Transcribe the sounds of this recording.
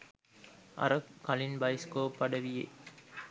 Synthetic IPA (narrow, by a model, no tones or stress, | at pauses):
ʔɐ̰ɾɐkɐlinbɐjskoːpːɐɖɐʋijḛ